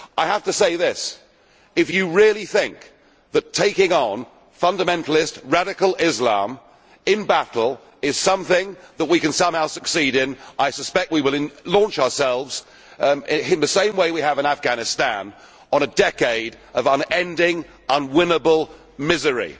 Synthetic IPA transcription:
ʔaɪhæftɨseɪðɪs | ɨfjɨɹɪlˠiθɪ̃ŋk̚ | ðɨtʰeɪkɪ̃ŋə̃n | fʌ̃ndɨmɛ̃ntˡl̩ˠɪst̚ɹæɾɨkl̩ˠɪzlɑ̰̃m | ɪ̃nbætˡl̩ˠ | ɪz̥sʌ̃mθɪ̃ŋðət̚wikɨ̃nsʌ̃mhaʊsɨksiɾɪ̃naɪsɨspɛk̚t̚wiwəl̃ˠlɔ̃nt͡ʃəə˞sɛlˠvz̥ | ɪɪ̃nðɨsẽɪ̃mweɪwiəvɨ̃næfɡ̥æñɨstæ̃n | ə̃nɨdɛkeɪɾ | ʌvə̃nɛ̃ndɪ̃ŋ | ʌ̃nwɪ̃nəbəl̩ˠ | mɪzə˞ḭ

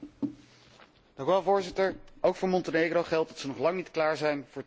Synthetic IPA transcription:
d̥ɑ̃ŋkyʋɛlˠvʊːɹzɪtəɹowkfʊːɹmɔntənejɡrowχɛlˠt̚dɑtsənɔχlɑŋnitklaːɹzɛjnvʊːɹ

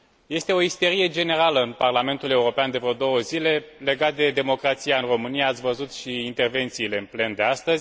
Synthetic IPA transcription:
je̞st̪e̞o̞ist̪e̞ɾije̞d͡ʒe̞ne̞ɾaləɨnparlame̞nt̪ule̞uɾo̞peand̪e̞vɾod̪o̞wəzile̞le̞ɡat̪̚d̪e̞d̪e̞mo̞kɾat̪sijaɨnro̞mɨnijaːt̪sʲvəzut̪ʃiːint̪e̞rve̞nt̪siːle̞ɨnple̞nd̪e̞ast̪əzʲ

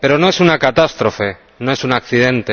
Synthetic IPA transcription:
pe̞ɾo̞no̞e̞sunakat̪ast̪ɾo̞fe̞ | no̞e̞sunakθiðẽ̞nt̪e

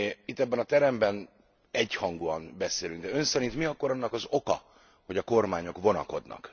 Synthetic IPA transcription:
it̪ːɛbːɛnɒt̪ɛɾɛmbɛn | ɛɟhɒŋɡuɒnbɛseːlyŋɡd̪ɛø̞nsɛɾint̪miɒkːo̞ɾɒnːɒkɒzo̞kɒ̰ | ho̞ɟɒko̞rmaːɲo̞kʋo̞nɒ̰ko̞d̪nɒ̰k

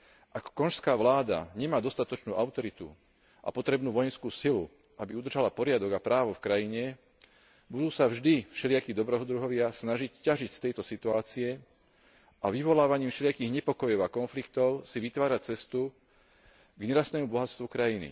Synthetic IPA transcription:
ʔakkɔnʃskaːʋlaːd̪a̰ɲɛmaːd̪ɔst̪at̪ɔt͡ʃnuːʔaʊt̪ɔɾit̪ṵ | ʔa̰pɔt̪ɾɛbnuːʋɔjɛnskuːsilu | ʔabiud̪r̩ʒalapɔɾɪad̪ɔɡapɾaːʋɔfkɾajiɲɛ | bud̪uːsavʒd̪ifʃɛlɪakid̪ɔbɾɛːɦɔd̪ɾuɦɔʋɪasnaʒiccaʒicst̪ɛjt̪ɔsit̪uaːt͡siɛ | ʔaʋiʋɔlaːʋaɲiːmfʃɛlɪakiːɣɲɛpɔkɔjɔʊakɔnflikt̪ɔʊsiʋit̪ʋaːɾat͡sɛst̪u | ɡɲɛɾast̪ɛːmubɔɦast̪ʋukɾajinḭ

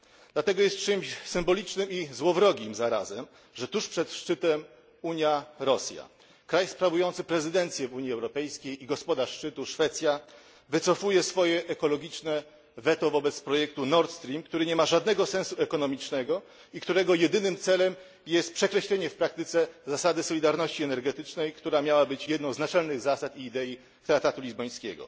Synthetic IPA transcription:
d̪̥lat̪ɛɡɔjɛst̪̚t͡ʂɘmɕsɘmbɔlʲit͡ʂnɘmizwɔvɾɔɡʲimzaɾa̰zɛm | ʐɛt̪uʂpʂɛt̪ʂt͡ʂɘt̪ɛm | uɲjaɾɔsʲja̰ | kɾajspɾavujɔnt̪sɘpɾɛzɘd̪ɛnt̪sʲjɛvuɲiɛwɾɔpɛjskʲejiɡɔspɔd̪aʂːt͡ʂɘt̪uʂfɛt̪sʲja | vɘt̪sɔfujɛsfɔjɛʔːkɔlɔɡʲit͡ʂnɛ | vɛt̪ɔvɔbɛt̪spɾɔjɛk̚t̪unɔɾt̪st̪ɾʲimkt̪uɾɘɲɛmaʐad̪nɛɡɔsɛ̃ñsuɛkɔnɔmʲit͡ʂnɛɡɔ | ikt̪uɾɛɡɔjɛd̪ɘnɘmt̪sɛlɛm | jɛst̪̚pʂɛkɾɛɕlɛɲɛfpɾak̚t̪ɘt̪sɛzasad̪ɘsɔlʲid̪aɾnɔɕt͡ɕiɛnɛɾɡɛt̪ɘt͡ʂnɛjkt̪uɾamʲjawabɘt͡ɕjɛd̪nɔ̃w̃znat͡ʂɛlnɘɣzasat̪iːd̪ɛji | t̪ɾak̚t̪at̪ulʲizbɔj̃skʲɛɡɔ̰

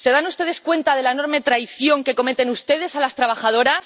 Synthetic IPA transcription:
se̞ðanust̪e̞ð̞e̞skwe̞nt̪að̞e̞laeno̞ɾme̞t̪ɾajθjo̞ŋke̞ko̞me̞t̪e̞nust̪e̞ð̞e̞salast̪ɾaβ̞axað̞o̞ɾas

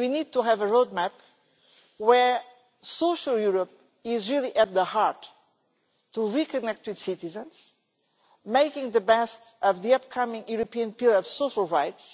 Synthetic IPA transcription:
winid̪̚t̪uɦævəɹod̪̚mæp | wə˞ | soʃəlˠjuɹəp̚ | ɪzɹilˠiʔɨt̪̚ðəhaɹtː | uɹikɨnɛk̚t̪wɨð̥sitizə̃nz̥ | meɪkɪ̃ŋðəbɛst | ʌvðiʌp̚kʰʌmɪ̃ŋjuɾopiɨ̃npilˠɔv̥soʃəlˠɹaɪts

